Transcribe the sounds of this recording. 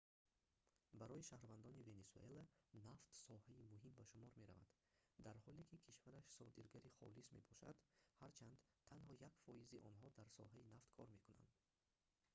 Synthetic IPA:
baɾɔiʃahɾvand̪ɔnive̞nesuelanaft̪sɔhaimuɦimbaʃumɔɾme̞ɾa̰va̰d̪̥ | d̪aɾhɔlekʰikʰiʃvaɾaʃsɔd̪iɾɡaɾiχɔ̰lisme̞̰bʰɔʃa̰d̪haɾt͡ʃʰand̪t̪ʰːanhɔjakfɔiziʔɔnɦɔd̪aɾsɔ̰ɦainaft̪kʰɔɾme̞kuna̰nd̪

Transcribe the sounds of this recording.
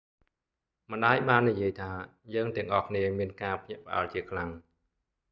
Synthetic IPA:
mə̆nɗaːjɓaːnːijiəjt̪ʰaːjəːŋt̪ɛ̆əŋʔɑhkʰniəmiənkaːpʰɲɛ̆əʔpə̆ʔa̰lt͡ɕiəkʰlaŋ

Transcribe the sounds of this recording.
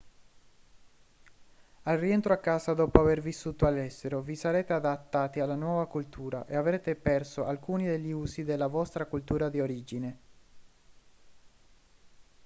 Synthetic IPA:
alrient̪ɾoakːaːsad̪ɔːpoavervisːuːt̪oalːɛst̪eɾovisaɾeːt̪ead̪at̪ːaːt̪ialːanwɔːvakult̪ʰuːɾa̰ʔeavɾeːt̪epɛrsoʔalkuːnid̪eʎːiuːsid̪elːavɔst̪ɾakult̪uːɾad̪ioɾiːd͡ʒine

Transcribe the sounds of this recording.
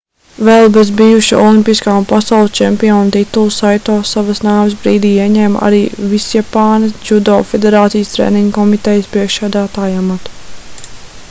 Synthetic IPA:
vɛlˠbezbijuʃiʔɔ̰lˠimpʲiskaːmpasawlˠst͡ʃɛmpiɔnt̪it̪ulˠusajt̪ɔːsaʋɐsnaːves̬bɾiːd̪iːiɛɲɛːm̰ʔa̰ɾiːvisjapaːnesd͡ʒud̪ɔ̰ːfed̪eɾaːt̪sijəst̪ɾḛːniŋɡkɔmit̪ɛjəspɾiɛkʃsæːd̪æːt̪aːjamat̪u̥

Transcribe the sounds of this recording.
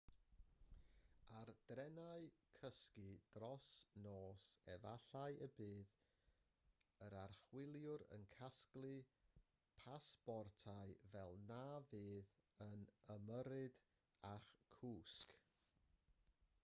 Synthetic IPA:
ard̥rɛnaɨkʰəskɨd̥rɔsnoːsɛva̰ɬaɨəbɨːð | əɾarχwɪlˠjʊɾə̰nkʰasklˠɨ | pʰasb̥ɔrtʰaɨvɛlˠnaːvɨːð | ənəməɾɨd | aχkʰuːsk

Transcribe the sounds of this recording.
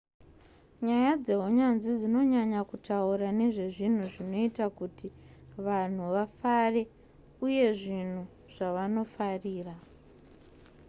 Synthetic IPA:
ɲajad͡ze̞ɦoɲanzid͡zino̞ɲaɲakutʰauɾane̞ʐe̞ʐin̤uʐino̞itakutiʋan̤uʋafare̞ | uje̞ʐin̤u | ʐ̥aʋano̞fariːra

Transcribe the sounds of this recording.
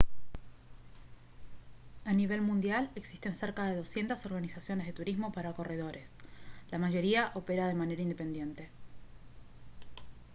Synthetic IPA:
aniβe̞lmũnd̪jale̞ksi̥st̪e̞nseɾkaðe̞ð̞o̞sje̞nt̪aso̞ɾɣanisasjo̞nezð̞e̞t̪uɾizmo̞paɾako̞re̞ð̞o̞ɾe̞slamaʒo̞ɾiaʔo̞peɾað̞e̞mane̞ɾaind̪e̞pe̞nd̪je̞nt̪e̞

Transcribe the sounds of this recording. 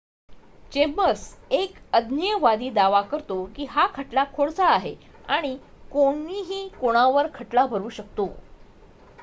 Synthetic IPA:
t͡ɕebəsekəd̪ʱnijəʋad̪iːd̪aʋakəɾt̪okiːɦakʰəʈlakʰoɽt͡saːɦe | aɽ̃i | koɽiɦiːkoɽ̃aʋəɾkʰəʈlabʱəɾuːɕək̚t̪o

